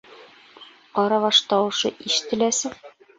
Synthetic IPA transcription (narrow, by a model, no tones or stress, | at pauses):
qɒɾɑβɒʃt̪ɒwɤ̆ʃɤʔiʃɘ̥̆t̪ɘ̆læsɘŋ